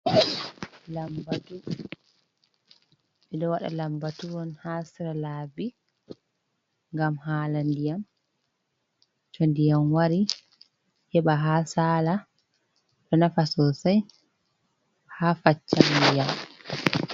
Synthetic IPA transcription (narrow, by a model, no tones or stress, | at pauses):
lambatu | ɓɛɗɔwaɗa̰lambatuwɔnhasiɾalabi | ŋɡamhalandijam | tʰɔndijamwaɾi | hɛɓaɦasaːla | ɗɔnafasɔsaj | hafat͡ʃːandijam